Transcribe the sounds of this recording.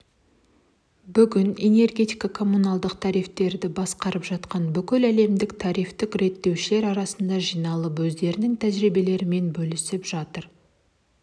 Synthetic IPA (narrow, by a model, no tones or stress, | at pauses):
bʏɡʲɪne̞ne̞rɡʲe̞t̪ijkɑkʰo̞mːunɑlˠd̪əqt̪ʰɑɾijft̪e̞ɾd̪ɪbɑsqɑɾəpʒɑt̪qɑnbʏkʲɪlæle̞md̪ɪkt̪ʰɑɾijft̪ɪkɾe̞t̪ːe̞wʃɪle̞ɾɑɾɑsənd̪ɑʒijnɑlˠəpwɵzd̪e̞ɾɪnɪŋt̪ʰæʒɾijbe̞le̞ɾɪme̞nbɵlɪsɪpʒ̥ɑt̪əɾ